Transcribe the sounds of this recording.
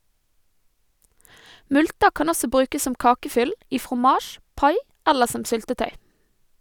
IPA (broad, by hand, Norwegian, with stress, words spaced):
ˈmʉltə ˈkɑn ˈɔsɔ ˈbɾʉːkəs ˈsɔm ˈkɑːkəˌfʏl ˈiː fʁʊˈmɑːʃ ˈpɑɪ ˈɛləɾ ˈsɔm ˈsʏltəˌtœʏ